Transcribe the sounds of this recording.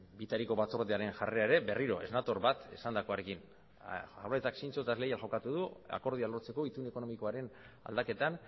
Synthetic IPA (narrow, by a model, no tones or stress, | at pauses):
bit̪aɾiko̞βat͡so̞ɾðeaɾe̞nʝare̞aeɾe̞be̞riɾo̞ʔe̞̰znat̪o̞ɾβat̪e̞̰sand̪ako̞aɾe̞kin | saβaett͡saksint͡sot̪azlejalʝo̞kat̪uð̞ua̰ko̞ɾð̞ialo̞ɾt͡se̞koit̪uneko̞no̞miko̞aɾe̞na̰ld̪ake̞t̪an